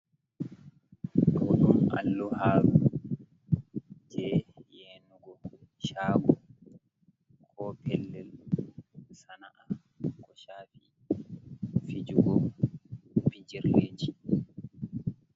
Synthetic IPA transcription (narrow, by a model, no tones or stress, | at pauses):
kɔɗumʔa̰lːɔhaːɡɔ | d͡ʒɛjeːnuɡɔ | ʃaːɡɔ | kʰɔpʰɛlːɛl | sanaʔa | kɔʃaːfi | fid͡ʒuɡɔ | bid͡ʒiɾed͡ʒi